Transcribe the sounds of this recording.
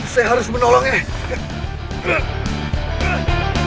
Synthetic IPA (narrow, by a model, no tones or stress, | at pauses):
sajaɦaɾʊsmənolɔŋa